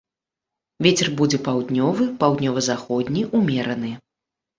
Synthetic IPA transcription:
vʲet͡sʲɛrbud͡zʲɛpawd̪nʲɔvɨpawd̪nʲɔvɐzaxɔd̪ʲnʲiʔumʲɛɾɐnɨ

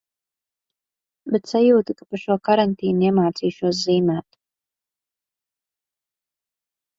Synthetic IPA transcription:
bet̪sajuːt̪ikapaʃuɔkaɾant̪iːnɛmaːt̪siːʃuɔs̬ziːmæːt̪

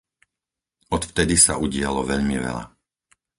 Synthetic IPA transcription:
ɔt̪ft̪ɛd̪isauɟɪalɔʋɛʎmiʋɛ̰ʎa̰

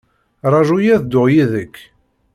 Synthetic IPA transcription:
ɾˤɑʒujæðd̪ʊʁjiðəkː

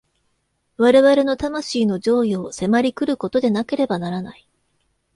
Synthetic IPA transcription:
βaɾe̞βaɾe̞no̞t̪amaɕiːno̞ʑo̞ːjo̞ːse̞maɾʲikɯ̟ɾɯ̟ko̞t̪o̞d̪e̞nake̞ɾe̞banaɾanai

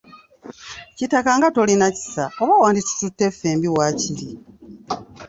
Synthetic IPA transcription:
citakaŋɡato̞linaci̥saoβawaːndit͡su̥tutːe̞fe̞ːmbiwaːcili

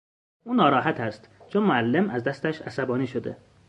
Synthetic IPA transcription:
ʔuːnɒːɾɒːɦæt̪ʰæst̪t͡ʃʰonmoælːemʔæzd̪æst̪æʃæsæbɒːniːʃod̪ḛ

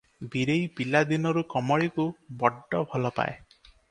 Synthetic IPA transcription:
biɾejpilad̪inɔɾukɔmɔɭikubɔɖːɔbʱɔlɔpa̰e

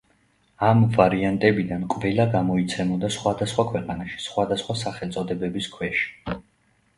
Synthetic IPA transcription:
amvaɾiant̪ʼɛbid̪ankʼvɛlaɡamɔit̪sʰɛmɔd̪asχwad̪asχwakʰwɛqʼanaʃi̥sχwad̪asχwasaχɛlt̪sʼɔd̪ɛbɛbiskʰwɛʃi̥

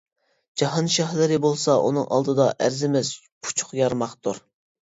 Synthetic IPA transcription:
d͡ʒɑɦɑnʃɑɦlɪɾɪbolˠsɑʔṵnɨŋʔɑ̰lˠd̪ɨd̪ɑʔæɾzɪmɪz | pʰu̥t͡ʃʰʊ̥χjɑɾmɑχt̪uɾ

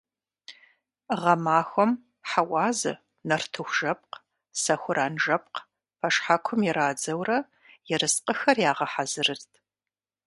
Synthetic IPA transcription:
ʁɐmaːxʷɔm | ħawɑːzɨ̰ | nɐrtʰɨxʷʒ̥ɐp̚q | sɐxʷʊɾʔaːnʒɐp̚q | pʰɐʂħakʷʰʊmjɛɾaːd͡zɐwrɐ | jɛɾɨsqʼəxɐrjaːʁɐħazɨrɨrtʰ

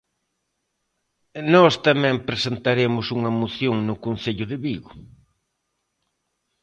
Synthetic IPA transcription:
nɔst̪amɛ̃mpɾesent̪aɾemʊsuŋɐmoθjoŋnʊkonθeʎʊðɪβiɣʊ

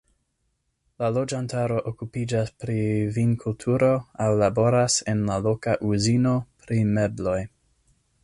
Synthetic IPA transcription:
lalo̞d͡ʒantaɾo̞ʔokupid͡ʒaspɾivinkʰultʰuɾo̞awlabo̞ɾasenlalo̞kaʔuzino̞pɾime̞blo̞j

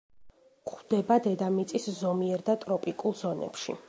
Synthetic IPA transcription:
χwd̪ɛbad̪ɛd̪amit̪sʼiszɔmiɛɾd̪at̪ʼɾɔpʼikʼulˠzɔnɛ̰pʃḭ

